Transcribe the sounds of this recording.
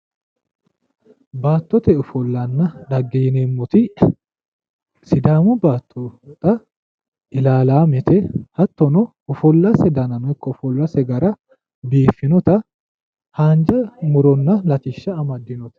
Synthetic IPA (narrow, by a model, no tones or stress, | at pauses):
baːt̪ːɔt̪ɛʊfɔlːɐnːɐᶑ̪ɐɡːeːnemːɔt̪ɪ | sɪd̪aːmʊbaːt̪ːɔt̪ʼɐ | ʔɪlaːlaːmɛt̪ɛhɐt̪ːɔnɔ | ʊfɔlːɐsɛd̪ɐnɐnɔjkːɔʊfɔlːɐsɛɡɐɾɐ | biːfːɪnɔt̪ɐ | haːnd͡ʒɐmʊɾɔnːɐlɐt͡ʃʼɪʃːɐːmɐd̪ːɪnɔt̪ɐ̥